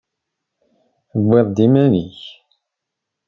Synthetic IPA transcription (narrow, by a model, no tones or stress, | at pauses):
əbːeðˤd̪imæniç